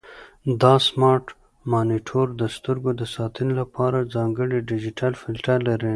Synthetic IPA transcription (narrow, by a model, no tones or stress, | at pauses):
d̪ɑsmɑɾʈ | mɑniʈʰoɾd̪əst̪əɾɡod̪əsɑt̪ʰənolapʰɑɾad͡zɑŋɡəɽiɖɪd͡ʒiʈʰalfɪlʈaɾlaɾi